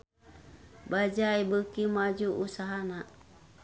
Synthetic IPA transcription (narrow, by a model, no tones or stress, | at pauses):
bad͡ʒaibəkimad͡ʒuʔusaɦana